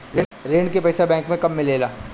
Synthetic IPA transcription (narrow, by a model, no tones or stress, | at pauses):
ɾeɾeːɳkepɛːsabɛ̃ːŋkmẽkɐmːɪleːlaː